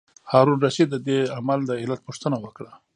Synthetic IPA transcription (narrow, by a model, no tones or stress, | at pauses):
hɑɾunɾaʃid̪ːəd̪eamald̪əɪlat̪̚puʂt̪ənawəkɽa